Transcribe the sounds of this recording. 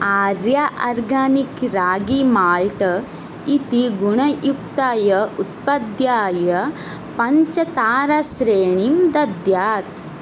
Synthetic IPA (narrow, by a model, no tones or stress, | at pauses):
aːɾjaʔɐɾɡaːnikɾaːɡimaːlʈɐ | it̪iɡuɳɐjukt̪ajɐut̪̚pɐd̪jaːjɐ | pɐɲt͡ʃɐt̪aːɾɐsɾeːɳimd̪ɐd̪jaːt̪